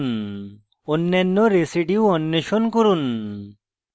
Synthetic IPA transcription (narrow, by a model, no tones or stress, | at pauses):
n | onːɛnːɔɾesiɖiuɔnːeʃonkuɾun